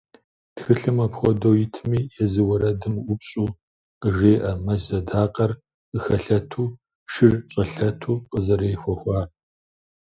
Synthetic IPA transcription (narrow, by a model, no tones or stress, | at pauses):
txɨɬɨmɐpxʷɔdowjɪtʰmiːjɛzɨwɐɾɐdɨmʷʊpɕʼuː | qəʒeːʔɐmɐzɐdaːqʼɐr | ɨxɐɬɐtʰuː | ʃɨrɕʼɐɬɐtʰuːqʼəzɐɾeːxʷɔxʷɑː